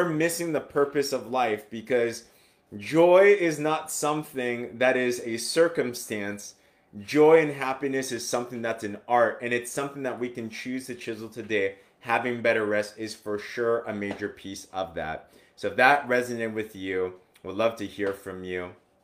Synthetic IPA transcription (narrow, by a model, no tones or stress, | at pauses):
ə˞mɪsɪ̃ŋðəpʰɜ˞pɨsʌvlaɪfb̥ɨkʰʌz̥ | ʒɔɪɪznətsʌ̃mθɪ̃ŋðɨɾɪzɨsɜ˞kɨ̃mstæ̃ns | d̥ʒɔɪɨ̃nɦæpinɨsɨz̥sʌ̃mθɪ̃ŋðætsɨ̃nɑɹɾɨ̃nɨtsʌ̃mθɪ̃ŋðət̚wikɨ̃nt͡ʃʰʉztɨt͡ʃʰɪzl̩ˠtʰɨdeɪ | hævɪ̃ŋbɛɾə˞ɹɛstɪz̥fə˞ʃʊɹəmeɪd͡ʒə˞pʰisʌvðæ̰t̚ | soʊðət̚ɹɛzɨnɨ̃wɨðjʉ | wilʌv̥tʰɨhiɹfɹʌ̃mjʉ